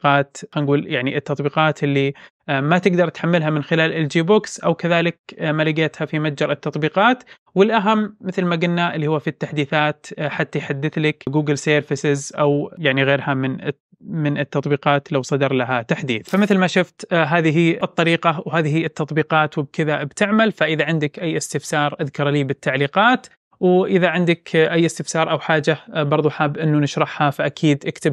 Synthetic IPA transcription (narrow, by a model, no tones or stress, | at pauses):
qɑːt̪xanɡuːljaʕniʔɪt̪ːɑt̪ˤbiːqɑːt̪ʔɪlːi | mat̪ɪɡd̪ɑɾˤt̪ħamːɪlɦamɪnxɪlaːlʔɪld͡ʒiːbʊksʔawkaðaːlɪk̚malɪɡaːt̪hafimat̪d͡ʒɑɾˤɪt̪ːɑt̪ˤbiːqɑːt̪ | wɪlʔaɦamːɪθlmaɡʊnːaʔɪlːihʊwːfit̪ːaħd̪iːθaːt̪ħat̪ːajħad̪ːɪθlakɡuːɡɪlseːɾfɪsɪzʔawjaʕniɣeːɾhamɪn | mɪnɪt̪ːɑt̪ˤbiːqɑːt̪lawsˤɑd̪ɑɾˤlaɦat̪aħd̪iːθfamɪθlmaʃʊft̪ɦaːðɪɦiɨt̪ˤːɑɾiːqɑwɦaːðɪhiɪt̪ːɑt̪ˤbiːqɑːt̪wɪb̚kɪðabt̪ɪʕmalfaʔɪðaʕɪnd̪ɪkʔajːʔɪst̪ɪfsɑːɾˤʔaðkɑɾˤliːbɪt̪ːaʕliːqɑːt̪ | wʔɪðaʕɪnd̪ɪkʔajːʔɪst̪ɪfsɑːɾˤʔawħaːd͡ʒabɑɾˤðˤuħaːbʔɪnːunɪʃɾˤɑħhafaʔakʰiːd̪ʔɪkt̪ɪb